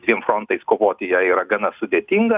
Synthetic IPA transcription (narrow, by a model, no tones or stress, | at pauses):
d̪ʲʋʲiɛmfɾont̪ɐɪskoːʋoːt̪ʲɪjɛiːɾɐɡɐnɐsʊd̪ʲeːt̪ʲiːŋɡɐ